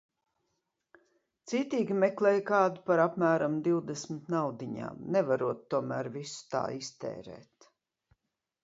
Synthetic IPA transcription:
t̪siːt̪iːɡʲimɛklˠɛːjkɑːd̪upaɾapmæːɾamd̪iwd̪esmɪt̪nawd̪iɲa̰ːmnɛvaɾuɔt̪ːuɔmæːɾvisu̥t̪a̰ːist̪ɛ̰ːɾɛ̰ːt̪

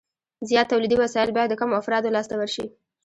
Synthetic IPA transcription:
zijɑt̪ːawlid̪iwasɑjɪlbɑjad̪ːəkamoafɾɑd̪olɑst̪awəɾʃḭ

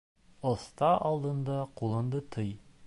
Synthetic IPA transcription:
ost̪ɑʔɑlˠd̪ɤ̆nd̪ɑqulˠɤ̆nd̪ɤt̪ʰɤj

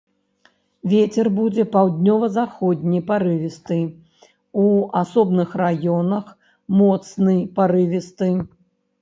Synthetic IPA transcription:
vʲet͡sʲɛrbud͡zʲɛpawd̪ʲnʲɔvɐzaxɔd̪̚ʲnʲijpaɾɨvʲist̪ɨ | uasɔbnɨxrajɔnɐx | mɔt̪snɨjpaɾɨvʲist̪ɨ

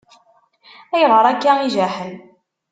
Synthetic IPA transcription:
æjʁəɾˤækːæiʒæħən

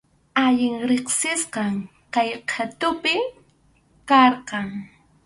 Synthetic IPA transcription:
aʎɪŋɾeχsɪsqɑŋ | kajqʰat̪ʊpɪ | kɑɾqɑŋ

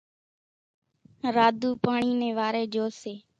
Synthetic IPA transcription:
ɾaːd̪ʱuːpaːɳiːnẽːʋaːɾeːd͡ʒoːseː

